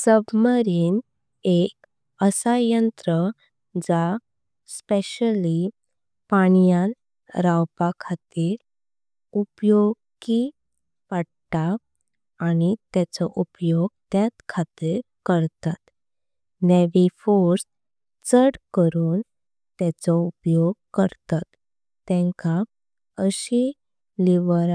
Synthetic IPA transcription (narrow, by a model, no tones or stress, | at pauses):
səbməɾiːn | ek | əsajənt̪ɾə | d͡za | speɕəli | paɳ̃ijãn | ɾawpakʰat̪iɾ | upjoɡ̚ | ki | pəɽ | ʈaː | nit̪at͡sɔʔupjoɡ̚t̪jat̪kʰat̪iɾ | kəɾt̪at̪ | nɛʋifoɾs | t͡səɽkəɾuːn | t̪ɛt͡sɔupjoɡ̚kəɾt̪at̪ː | ɛ̃ŋka | əɕi | liʋəɾ